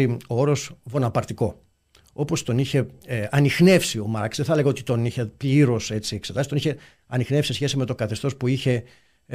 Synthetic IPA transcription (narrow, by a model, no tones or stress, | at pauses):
iooɾo̞svo̞nɐpɐɾt̪iko̞ | o̞po̞st̪o̞niçe̞ɐnixne̞fsio̞mɐɾksðeθɐle̞ɣɐo̞t̪it̪o̞niçepliɾo̞se̞t͡siekse̞t̪ɐsi̥t̪oniçe̞ | ɐnixnefsisesçe̞sime̞t̪o̞kɐθe̞st̪o̞spuiçe̞